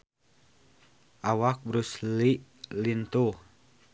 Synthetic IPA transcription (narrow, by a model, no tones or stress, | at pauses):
ʔawak̚bɾusliʔlint̪uh